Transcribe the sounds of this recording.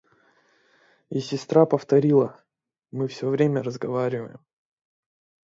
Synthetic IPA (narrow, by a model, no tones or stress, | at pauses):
ɪsʲɪst̪ɾapəft̪ɐɾʲilˠə | mɨfsʲovɾʲemʲəɾəzɡɐvaɾʲɪvə̰jɪ̰m